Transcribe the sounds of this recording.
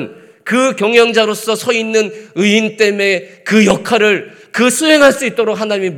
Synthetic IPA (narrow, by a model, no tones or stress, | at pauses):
n | kɯkjʌŋjʌŋd͡ʑaɾos͈ʌsʰʌinːɯnɯint͈e̞me̞kɯjʌkʰaɾɯɭ | kɯsʰuɦe̞ŋɦaɭs͈uit̚t͈oɾok̚ɦʰhanaɲimim